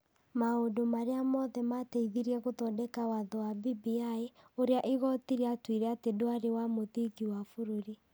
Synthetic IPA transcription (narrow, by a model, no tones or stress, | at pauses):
maodomaɾeamɔðɛmatɛiðiɾiɛɣotɔdɛkawaðɔwabibiaeoɾeaʔiɣɔtiɾɛatwiɾɛatedoaɾewamoðiɣiwafoɾoɾi